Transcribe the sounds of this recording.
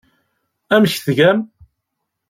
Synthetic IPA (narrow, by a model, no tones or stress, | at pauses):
æmçθʝæm